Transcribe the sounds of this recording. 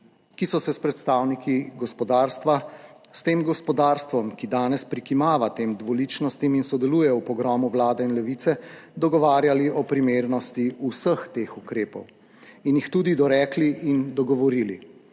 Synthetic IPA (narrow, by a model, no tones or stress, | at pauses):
kisɔsɛspɾɛt̪st̪aːwnikiɡɔspɔd̪aːɾst̪ʋa | st̪eːmɡɔspɔd̪aːɾst̪ʋɔmkid̪aːnɛspɾikimaːʋat̪eːmd̪ʋɔlit͡ʃnɔst̪iminsɔd̪ɛluːjɛupɔɡɾɔːmuʋlaːd̪ɛinlɛʋiːt̪sɛd̪ɔɡɔʋaːɾjaliʔɔpɾimeːɾnɔst̪iusəxt̪eːxukɾeːpɔ̰w | injixt̪uːd̪id̪ɔɾɛːkliʔind̪ɔɡɔʋɔɾiːli